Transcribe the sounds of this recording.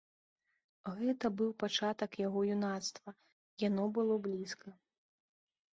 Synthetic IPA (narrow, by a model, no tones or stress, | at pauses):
ɣɛt̪ɐbɨwpat͡ʂat̪ɐkjaɣɔjunat̪st̪vɐ | janɔbɨlˠɔblʲiskɐ